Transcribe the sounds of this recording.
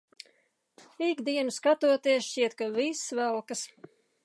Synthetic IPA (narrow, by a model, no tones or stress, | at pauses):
ikd̪iɛnuskat̪uɔt̪iɛsʃt͡ʃiɛt̪̚kavisvælˠkas